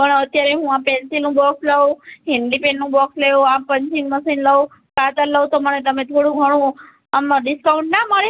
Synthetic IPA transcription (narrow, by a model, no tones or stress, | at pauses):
pəɳət̪jaɾeɦũãpɛnsilnũbɔksləwɦiɳɖipennũbɔksleoapəɲt͡ʃiŋməsinləw | kat̪əɾləwt̪oməɳet̪əmẽt̪ʰoɽũɡʱəɽ̃ũ | mɖiskauɳʈnaməɭe